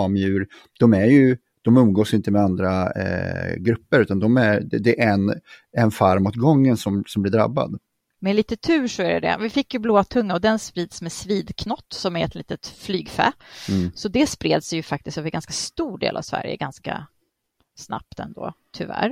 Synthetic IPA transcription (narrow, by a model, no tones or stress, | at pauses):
mjʉ̟ːɾ | d̪̥ɔmæɾjɵ | d̪̥ɔmɵmɡoːsjɪnt̪əmɛand̪ɾa | ɡɾɵpːəɾʉ̟ːt̪and̪ɔmæɾɛd̪ɛɛnɛnfaɾmɔːt̪ɡɔŋːənsɔmsɔmblɪɖɾa̰bːa̰d̪ | mɛliːt̪ət̪ʰʉ̟ːʂɔæɖɛ̰d̪ɛ̰vɪfɪkːjɵbloːat̪ʰɵŋːaɔd̪ɛnspɾiːd̪smɛsviːd̪kʰnɔt̪ːsɔmæɾɛt̪liːt̪ət̪flyːɡfɛ̰ːsɔd̪ɛspɾeːd̪sjɵfak̚t̪ɪst̪øːvəɾɡanskḁst̪uːɖḛːlʔa̰vsvæ̰ɾjə̰ɡanska̰ | sna̰p̚t̪ɛ̰nd̪o̰ːt̪ʰʏvæ̰ɾ